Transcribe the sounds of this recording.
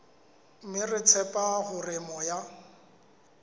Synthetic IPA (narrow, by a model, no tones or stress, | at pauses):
mɪrɪt͡sʰɛpʼaɣʊrɪmɔja